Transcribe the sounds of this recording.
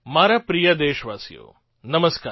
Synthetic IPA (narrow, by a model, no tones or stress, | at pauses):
maːɾapɾijad̪eːʃʋaːsijo̰ː | nɐməskaː